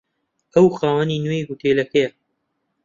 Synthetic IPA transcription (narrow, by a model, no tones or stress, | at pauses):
ɐwxaːwɐninwejɦut̪ʰelɐkɐjɐ